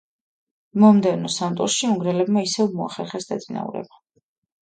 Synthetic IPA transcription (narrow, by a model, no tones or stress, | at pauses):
mɔmd̪ɛvnɔsant̪ʼɔɾʃiuŋɡɾɛlɛbmaisɛvmɔa̰χɛɾχɛsd̪at̪sʼina̰ṵɾɛ̰ba